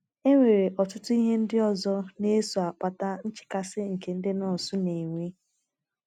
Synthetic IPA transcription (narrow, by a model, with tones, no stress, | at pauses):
e˦ŋʷe˨ɾe˨ʔɔ˨tʊ˦tʊ˦i˦ɦe˦n̩˦dɪ˦ɔ˨zɔ˦ne˦su˨a˨k͡pa˨ta˦n̩˦t͡ʃɪ̥˨ka˦sɪ˦ŋ̩˨ke˨n̩˦dɪ˦nɔ˨su˦ne˨ŋʷe˦